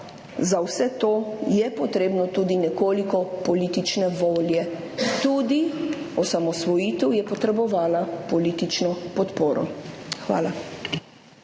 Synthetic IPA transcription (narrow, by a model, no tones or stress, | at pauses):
zawsɛt̪oːjɛpɔt̪ɾeːbnɔt̪uːd̪inɛkoːlikɔpɔliːt̪it͡ʃnɛʋoːljɛ | t̪uːd̪iɔsamɔsʋɔjiːt̪ɛwjɛpɔt̪ɾɛbɔʋaːlapɔliːt̪it͡ʃnɔpɔt̪poːɾɔ̰xʋa̰ːla